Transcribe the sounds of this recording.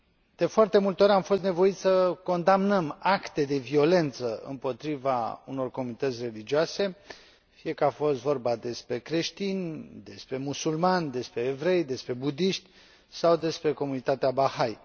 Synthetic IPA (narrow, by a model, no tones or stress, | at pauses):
d̪̥e̞foart̪e̞mult̪eo̞ɾʲamfo̞st̪ne̞vo̞it̪sʲəko̞nd̪amnəmakt̪e̞d̪e̞vio̞le̞nt̪səɨ̰mpo̞t̪ɾivauno̞rko̞munit̪ət̪sʲre̞lid͡ʒioase̞ | fije̞kəafo̞st̪vo̞rbad̪e̞spɾe̞kɾe̞ʃt̪inʲd̪e̞spɾe̞musulmanʲd̪e̞spɾe̞ːvɾe̞jd̪e̞spɾe̞bud̪iʃt̪ʲ | sawd̪e̞spɾe̞ko̞munit̪at̪eabaxaj